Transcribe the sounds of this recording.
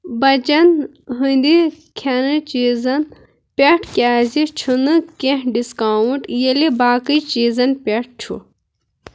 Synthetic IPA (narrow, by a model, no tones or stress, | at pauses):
bɐt͡ʃɐn | ɦɨnd̪i | kʲʰɐnɨt͡ʃizɐn | pʲeʈʰkʲaːzit͡ʃʰunɨkẽɦɖiskawuɳʈjelibaːkɨt͡ʃiːzɐnpʲeʈ̚t͡ʃʰṵ